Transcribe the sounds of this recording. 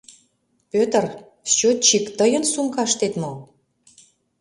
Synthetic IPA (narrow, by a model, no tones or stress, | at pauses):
pʲøt̪ər | st͡ɕot̪̚t͡ɕikt̪əjə̆nsumkɑʃt̪et̪mo